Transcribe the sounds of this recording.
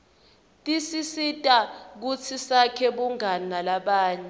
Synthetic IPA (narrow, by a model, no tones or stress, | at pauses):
tʼisisitʼak̬ut͡sʰisakʰɛɓuŋanalaɓaːɲɛ